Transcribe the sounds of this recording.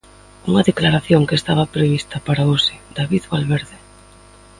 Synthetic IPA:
uŋɐðeklaɾaθjoŋkest̪aβɐpɾeβist̪ɐpaɾaosɪd̪̥aβiðβalβeɾðɪ

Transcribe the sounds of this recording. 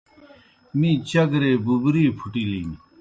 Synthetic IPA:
mĩːt͡ɕɐɡɾeːbubɾiːpʰuʈiliːn

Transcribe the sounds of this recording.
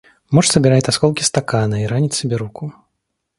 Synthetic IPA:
mɔʂsəbʲɪɾajʲt̪ʲaskɔlˠkʲist̪akanɐiɾanʲit̪ʲsʲibʲɛɾuku

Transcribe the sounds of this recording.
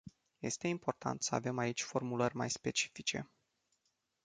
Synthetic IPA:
je̞̰st̪e̞impo̞rt̪ʰa̰nt̪səa̰ve̞mait͡ʃʲfo̞rmulərʲma̰jspe̞t͡ʃi̥fit͡ʃe̞̰

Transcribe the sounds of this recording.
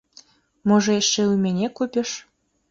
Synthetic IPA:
moʒeʃːeumʲenʲekupʲɘ̆ʃ

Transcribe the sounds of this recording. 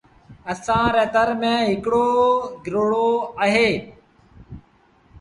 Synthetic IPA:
əsãːɾɛːt̪əɾmẽːɦɪkɽoːɡʱɾoːɽoːəɦeː

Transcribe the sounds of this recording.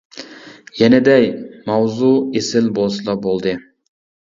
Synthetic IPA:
jɛnɛd̪ɛjmɑwzuesɪlbolˠslˠɑbolˠd̪ɨ

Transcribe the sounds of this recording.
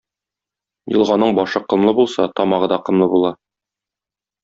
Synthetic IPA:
jɤ̆lˠʁɑnːɤɴbɒʃɤqɤ̆mlˠɤbulˠsɑ̰t̪ɒmɑʁɤd̪ɑqɤ̆mlˠɤbulˠɑ

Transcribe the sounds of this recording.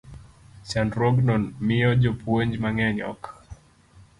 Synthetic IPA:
sandɾɔɡnɔnmiɔd͡ʒɔpuɛɲd͡ʒmaŋɛɲɔ̰k

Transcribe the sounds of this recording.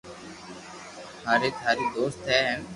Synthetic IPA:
ɦaːɾeːt̪ʰaːɾiːd̪oːst̪ɦɛːɦ

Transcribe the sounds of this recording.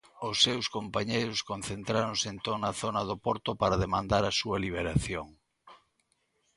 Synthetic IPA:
ʊsːewskompaɲejɾʊskon̟θent̪ɾaɾoŋseent̪onɐθonɐðopɔɾt̪ʊpaɾaðemãnd̪aɾɐsuɐliβ̞eɾaθjoŋ

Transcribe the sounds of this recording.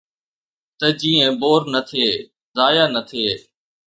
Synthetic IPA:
t̪əd͡ʒiːə̃boːɾnət̪ʰeː | zaːjaːnət̪ʰeː

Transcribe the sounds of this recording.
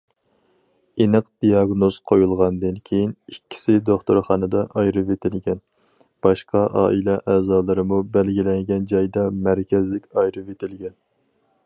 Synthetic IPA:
enɨqd̪̥ijɑɡnoz̥qʰojulˠʁɑnd̪ɨnkʲʰejinikʲʰːi̥sɪd̪oχt̪oɾχɑːnɨd̪ɑʔɑjɾɨvet̪ʰɪlɡʲɛn | b̥ɑʃqʰɑʔɑ̰ːʔilɛʔɛːzɑːlˠɨɾɨmubælɡʲilɛŋɡʲɛnd͡ʒɑjd̪ɑmæɾkʲʰɛzlɪkʲɑjɾɨvet̪ʰɪlɡʲɛn

